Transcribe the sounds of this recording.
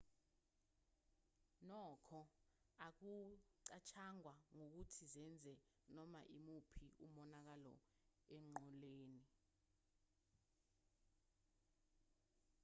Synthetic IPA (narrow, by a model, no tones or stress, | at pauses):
nɔːkʰɔak̬uǀat͡ʃʰaŋwaŋok̬utʰizɛnd͡zʱɛ | nɔma̰ʔimupʰiumɔnak̬alɔ̰ | ɛŋ͡ǃʱɔleːni